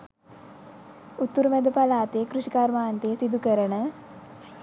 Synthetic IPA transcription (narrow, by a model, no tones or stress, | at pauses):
ut̪ːuɾumɛd̪əpalaːt̪ejəkɾuʃikaɾmaːnt̪ejəsid̪ukəɾənə